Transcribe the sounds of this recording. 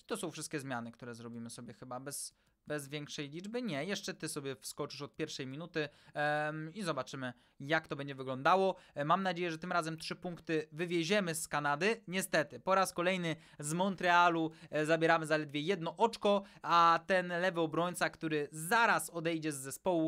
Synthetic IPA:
t̪ɔsɔ̃w̃fʂɘst̪kʲɛzmʲjanɘkt̪uɾɛzɾɔbʲimɘsɔbʲjɛxɘbabɛs | bɛzvʲjɛŋkʂɛjlʲid͡ʐbɘɲɛjɛʂt͡ʂɛt̪ɘsɔbʲjɛfskɔt͡ʂɘʂɔt̪̚pʲjɛɾfʂɛjmʲinut̪ɘ | izɔbat͡ʂɘmɘ | jakt̪ɔbɛɲd͡ʑɛvɘɡlɔnd̪awɔmamnad͡ʑejɛʐɛt̪ɘmɾazɛmtʂɘpuŋkt̪ɘvɘvʲjɛʑɛmɘskanad̪ɘɲɛst̪ɛt̪ɘpɔɾaskɔlɛjnɘ | zmɔnt̪ɾɛaluzabʲjɛɾamɘzalɛd̪vʲjɛjɛd̪̚nɔʔɔt͡ʂkɔat̪ɛnlɛvɘɔbɾɔɲt̪sakt̪uɾɘzaɾasɔd̪ɛjd͡ʑɛzːɛspɔwu

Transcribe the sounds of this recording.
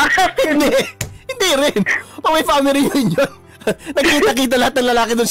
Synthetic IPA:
aphɪnd̪ɛhɪnd̪iɾɪnpɐmɐjfamɪɾijɪnjon | nɐɡ̚kiːt̪ɐkiːt̪̬ɐlɐhat̪̚nɐŋlɐlaːkɪd̪ʊns

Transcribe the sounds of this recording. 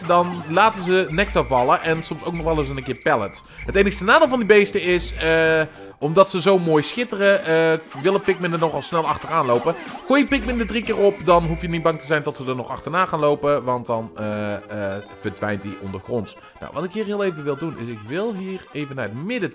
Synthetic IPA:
dɑnlaːtəzənɛk̚tavɑlˠəʔɛnsɔmsowknɔχʋɛlˠɪs̬ənənkɪːɹpɛlə̰t | ɦətejnəxstənaːdəlˠvɑndibejstəɪsə | ʔɔmdɑtsəzowmoːjsxɪtərəəʋɪlˠəpɪk̚mɪndənɔχɑlˠsnɛlˠɑχtəraːnlowpəχuːjəpɪk̚mɪndədrikɪːrɔpdɑnɦufjənit̚bɑŋtəzɛjndɑtsədəɹnɔχɑ̰χtəɹnaːχaːnlowpəʋɑnt̚dɑnə | v̥əɹdʋɛ̰jntdiʔɔ̰ndəɹχrɔnt | na̰wʋɑtɪkɦiːɹɦɪːlˠejvəʋɪlˠdunʔɪ̰sɪkʋɪlˠɦiːrejvənaːətmɪdə

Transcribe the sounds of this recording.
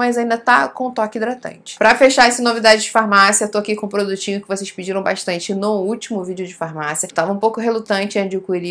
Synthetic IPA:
mɐjzãnd̪ɐt̪akõw̃ʊt̪ɔkɪd̪ɾat̪ɐ̰̃nt͡ʃɪ̥pɾɐfeʃaɾɛsɪnovid̪ad͡ʒɪd͡ʒɪfaɾmasiɐet̪oakikõpɾod̪ut͡ʃĩɲʊkɪvoseʃpid͡ʒiɾɐ̃w̃ba̰ʃt̪ɐ̃nt͡ʃɪnʊuwt͡ʃimʊvid͡ʒɪʊd͡ʒɪfaɾmasiɐt̪avɐ̃ũpowkʊɦelut̪ɐ̃nt͡ʃɪɐ̃d͡ʒʊkuɾi

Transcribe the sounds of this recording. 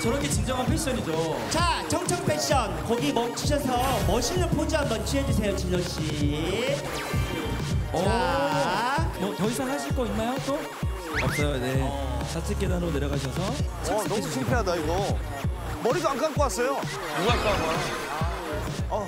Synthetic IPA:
t͡ɕʌɾʌkʰe̞t͡ɕind͡ʑʌŋɦanpʰeɕ͈ʌɲid͡ʑo | t͡ɕat͡ɕʰʌŋt͡ɕʰʌŋpʰe̞ɕ͈ʌnkʌɡimʌkt͡ɕʰuɕ̬ʰʌsʰʌmʌɕʰinːɯnpʰod͡ʑambʌnt͡ɕʰɥɦed͡ʑus̬ʰe̞jot͡ɕiɲʌɕ͈i | ʌa | mʌtʌisʰaŋɦhaɕ̬ʰiɭk͈ʌinːajot͈o | ʌp̚s͈ʌjone̞t͡ɕat͡ɕʰek͈edaɾoneɾjʌɡaɕ̬ʰʌsʰʌ | nʌmut͡ɕʰimpʰeɦadaiɡʌ | mʌɾiɡaaŋkʰank͈ʰoas͈ʌjo | muak͈aɡoa | ʌ

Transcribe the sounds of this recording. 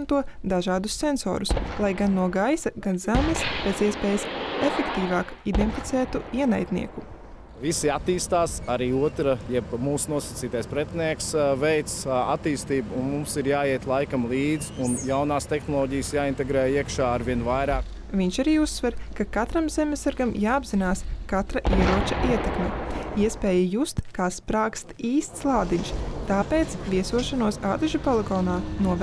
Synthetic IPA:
nt̪uɔd̪aʒaːd̪usːenso̰ːɾuslˠajɡanːuɔɡajsɐɡanzamʲisb̥eziɛspeːjasefekt̪iːvaːkid̪enfʲit̪sæːt̪uiɛnajt̪nḭɛku | visiat̪iːst̪aːsaɾiːuɔt̪ɾajɛbmuːsnuɔsɐt̪siːt̪ajspɾɛt̪niɛksvɛjt̪sa̰t̪ːiːst̪iːbunmumsiɾjaːiɛt̪lˠajkamlˠiːd̪zunjawnaːst̪exnɔlˠɔːɟijsjaːint̪eɡɾɛːiɛkʃaːaɾʋiɛnvajɾaːk | vʲiɲʃaɾiːusːʋɛɾkakat̪ɾamzemʲɛsaɾɡamjaːabz̥inaːskat̪ɾaʔiɛɾuɔt͡ʃɐʔiɛt̪ɛkmʲɛiɛspɛːjajust̪kaːspɾaːkst̪iːst̪slˠaːd̪iɲʃt̪aːpeːt̪splʲiɛsuɔʃanuɔsaːd̪ɛʒupalˠeɡoːnaːnuɔ

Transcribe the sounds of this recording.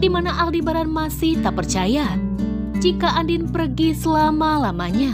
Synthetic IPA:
dimanaʔaldibaɾanmasɪht̪apərt͡ʃaja | d͡ʒikaʔandɪnpərɡisəlamalamaɲa

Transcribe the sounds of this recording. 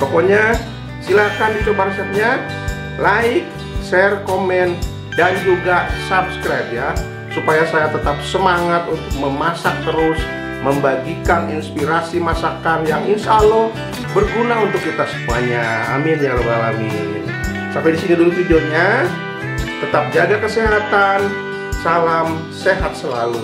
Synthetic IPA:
pokoɲa | silak̪anit̪ubaŋsɛt̪̚ɲa | laɪk̚ | sɛrkomɛn | dand͡ʒuɡasabskɾajp̚ja | supajasajat̪ət̪ap̚səmaŋat̪unt̪ʊk̚məmasak̚t̪əɾʊs | məmbaɡikaninspiɾasimasakanjaŋinsalo | bərɡunaunt̪ʊkːit̪asə̥paɲa̰ːmɪnjaŋlobalamil | sampɛdisinidulut̪id͡ʒoɲa | t̪ət̪ap̚d͡ʒaɡakəseɦat̪an | salam | seɦat̪̚səla̰lu

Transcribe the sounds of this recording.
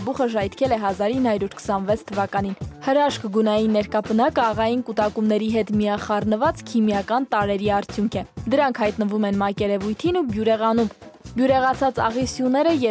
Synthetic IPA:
buχəʒɑjt̪ʰkʰɛlɛɦɑzɑɾinhɑɾuɾkʰə̥sɑnvɛt͡sʰt̪ʰəvɑkɑninhəɾɑʃkɡunɑjinːɛɾkɑpənɑkəɑʁɑjinkut̪ɑkumnɛɾiɦɛt̪miɑχɑrnəvɑt͡skʰimjɑkɑnt̪ɑɾɛɾiɑɾt͡sʰjuŋkʰɛd̪əɾɑŋkʰhɑjt̪nəvumɛnmɑkɛɾɛvujt̪ʰinubjuɾɛʁɑnumbjuɾɛʁɑt͡sʰɑt͡sɑ̰ʁisjunɛɾəjɛ

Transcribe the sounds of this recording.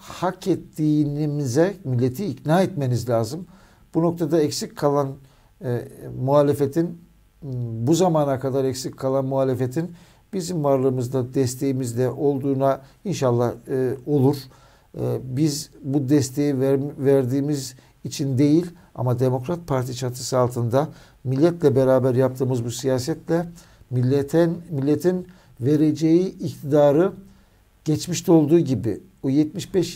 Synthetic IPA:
hakɛt̪ʰːiːnimizɛmilʲːe̞t̪ʰiːcnaːɛt̪me̞nizlʲaːzɯm | b̥uno̞k̚t̪ʰad̪aɛcsickʰːalˠan | muɦaːlʲe̞fe̞t̪ʰin | buzamaːnakad̪aɾɛcsickʰːalˠanmuɦaːlʲe̞fet̪ʰin | bizimvaɾlˠɯːɯmɯzd̪ad̪ɛst̪ʰe̞jimizd̪ɛʔo̞lˠd̪uːnainʃalˠːaho̞lˠuɾ̥ | bizbud̪ɛst̪ʰe̞jivæɾd̪iːmiz | it͡ʃʰind̪e̞jilʲ | a̰mad̪e̞mo̞kɾat̪̚pʰaɾt̪ʰit͡ʃʰat̪ʰɯ̥sɯalˠt̪ʰɯnd̪a | milʲːɛt̪lʲɛbe̞ɾaːbæɾjap̚t̪ʰɯːmɯzbusijaːsɛt̪lʲɛ | nmilʲːet̪ʰin | ve̞ɾed͡ʒe̞jiːct̪ʰid̪aːɾɯ | ɟ̥ɛt͡ʃmiʃt̪ʰɛo̞lˠd̪uːɟibḭ | ujɛt̪̚miʃbɛʃ

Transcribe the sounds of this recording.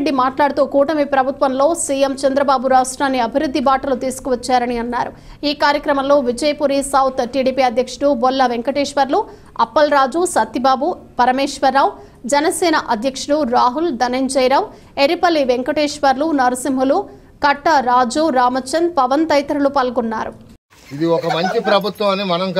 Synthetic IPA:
ɖimaːʈlaːɽut̪uːkuːʈɐmipɾɐbʱut̪ʋɐmlo̞ːsiːjemt͡ʃɐnd̪ɾɐbaːbuɾaːsʈɾaːnːiɐbʱiɾud̪ːibaːʈɐlut̪iːsu̥kuʋɐt͡ʃːaːɾɐniɐnːaːɾu | iːkaːɾjɐkɾɐmɐmlo̞ːʋid͡ʒɐjpuɾisɐːwt̪ʈiːɽiːpiɐd̪ʱjɐkʂɐɽubɔlːɐʋeŋkɐʈeːʂʋɐɾlu | ɐpːɐlɾaːd͡ʒusɐt̪ːibaːbupɐɾɐmeːʂʋɐɾːaːw | d͡ʒɛnɐsɛːnɐʔɐd̪ʱjɐkʂuɽuɾaːɦuld̪ɐnɐɲd͡ʒɐjɾaːw | eɾipɐlːiʋeŋkɐʈeːʂʋɐɾlunɐɾɐsimɦulu | kɐʈːɐɾaːd͡ʒuɾaːmɐt͡ʃɐnd̪̚pɐʋɐnt̪ɐjt̪ɐɾulupɐlɡunːaːɾu | id̪iɔkɐmɐɲt͡ʃipɾɐbʱut̪ʋɐmɐnːimɐnɐmk

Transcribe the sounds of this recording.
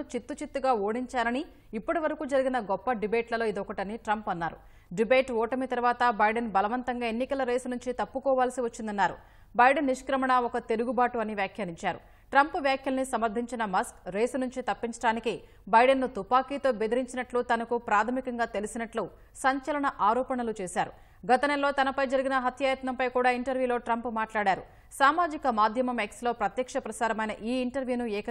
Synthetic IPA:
ut͡ʃit̪ːut͡ʃit̪ːuɡaːoːɽiɲt͡ʃaːɾɐniː | pːuɽiʋɐɾɐkuːd͡ʒɐɾiɡinɐɡɔpːɐɖibeːʈlɐlo̞ːid̪ɔkɐʈɐniʈɾɐmpɐnːaːɾṵ | ɖibe̞ːʈɔːʈɐmit̪ɐɾʋaːt̪ɐbɐjɖɐnbɐlɐʋɐnt̪ɐŋɡaːe̞nːikɐlɐɾeːsunuɲt͡ʃit̪ɐpːukɔːʋaːlɐsiʋɐt͡ʃːind̪ɐnːaːɾṵ | bɐjɖɐnːiʂkɾɐmɐɳɐɔkɐt̪e̞ɾuɡubaːʈuɐniʋjaːkʰjɐːɾiɲt͡ʃaːɾṵ | ʈɾɐmpʋjaːkʰjɐlɐnisɐmɐɾd̪ʱiɲt͡ʃinɐmɐskɾeːsnuɲt͡ʃit̪ɐpːiɲt͡ʃɐɽaːniki | bɐjɖenːut̪upaːkiːt̪o̞ːbed̪iɾiɲt͡ʃinɐʈlut̪ɐnɐkupɾaːt̪ʰɐmikɐŋɡaːt̪e̞lisinɐʈlu | sɐɲt͡ʃɐlɐɳɐʔaːɾɔːpɐɳɐlut͡ʃeːsaːɾṵ | ɡɐt̪ɐnɛlːo̞ːt̪ɐnɐpɐjd͡ʒɐɾiɡinɐɦɐt̪ʰjaːjɐt̪nɐmpɐjkuːɽaːiɳʈɐɾʋjuːlo̞ːʈɾɐmpmaːʈlaːɽaːɾṵ | saːmaːd͡ʒikɐmaːd̪ʱjɐmɐmekslo̞ːpɾɐt̪jɐkʂɐpɾɐsaːɾɐmɐjnɐʔiːɳʈɐɾʋjuːnuɛːkɐ

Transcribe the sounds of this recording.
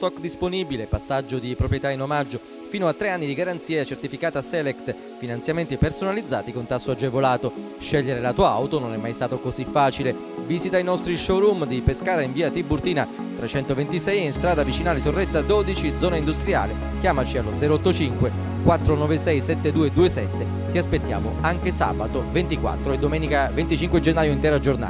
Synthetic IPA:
st̪ɔkːd̪isponibilepasːad͡ʒːod̪ipɾopɾjet̪ainomad͡ʒːo | fiːnoat̪ːɾeanːid̪iɡaɾant̪siːat͡ʃert̪ifikaːt̪asɛlɛkt̪ | finansjament̪ipersonalid̪zːa̰ːt̪ikont̪asːoad͡ʒːevolaːt̪o | ʃɛʎːeɾelat̪uːa̰wt̪ononɛmːajst̪aːt̪okozifːaːt͡ʃile | vizit̪ainɔst̪ɾiʃɔɾumd̪ipeskaːɾaiɱviːat̪ibːurt̪iːnat̪ɾet͡ʃɛnt̪ovent̪isɛjinst̪ɾaːd̪avit͡ʃinaːlit̪orːɛt̪ːad̪ɔːd̪it͡ʃid̪zɔːnaind̪ust̪ɾja̰ːle | k̟jaːmat͡ʃialːod̪zɛːɾoɔt̪ːot͡ʃiŋkwe | kwat̪ːɾonɔvesɛjsɛt̪ːed̪uːed̪uːesɛt̪ːe | t̪iaspet̪ːja̰ːmo̰aŋk̟esa̰ːbat̪ovent̪ikwa̰t̪ːɾoed̪omɛːnikavent̪it͡ʃiŋkwed͡ʒenːaːjoint̪ɛːɾad͡ʒorna̰

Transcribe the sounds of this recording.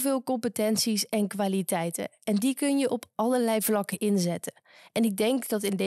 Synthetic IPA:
vɪːlˠkɔmpətɛnsisɛnkʋaːlitɛjtə̰ | ɛndikɵnjəʔɔpʰɑləɹlɛjvlɑkəʔɪnzɛtə | ɛnɪɡ̚dɛŋkdɑtɪnd

